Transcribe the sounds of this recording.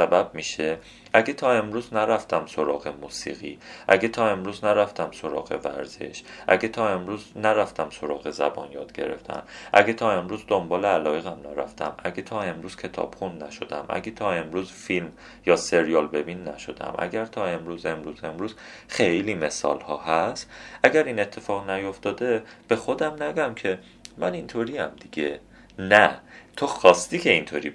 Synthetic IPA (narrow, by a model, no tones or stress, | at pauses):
sæbæb̥̚miːʃe | ʔæɡet̪ʰɒːe̞mɾuːznæɾæft̪ʰæmso̞ɾɒːɣe̞muːsḭːɣḭːʔæɡet̪ʰɒːe̞mɾuːznæɾæft̪æmso̞ɾɒ̰ːɣe̞̰væ̰ɾz̥e̞̰ʃʔæɟet̪ʰɒːe̞mɾuːznæɾæft̪æmso̞ɾɒːɣe̞zæ̰bɒ̰ːnjɒ̰ːd̪̥̚ɟe̞̰ɾe̞̰ft̪ʰæ̰mʔæ̰ɡet̪ʰɒːe̞mɾuːzd̪ombɒːleælɒːje̞ɣæmnæɾæft̪ʰæmʔæɡet̪ʰɒːe̞mɾuːz̥cʰe̞t̪ʰɒ̰ːb̥χunnæʃo̞d̪æ̰mʔæ̰ɡet̪ʰɒːe̞mɾuːzfilm | jɒːse̞ɾijɒlbe̞binːæ̰ʃo̞d̪æ̰mʔæ̰ɡæɾt̪ʰɒːe̞mɾuːze̞mɾuːze̞mɾuːz̥xejliːme̞sɒ̰ːlhɒːhæst̪ʔæɟæɾiːne̞t̪ʰːe̞fɒːɣnæjo̞ft̪ɒːd̪e̞b̥e̞xo̞d̪æmnæɡæmcʰe̞ | mænint̪ʰoɾiːæmd̪̥iɡe̞ | næt̪ʰoxɒːst̪iːcʰe̞int̪ʰoːɾiː